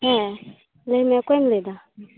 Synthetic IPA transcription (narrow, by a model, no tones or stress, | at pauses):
hɛ | lemɛkʷemled̪a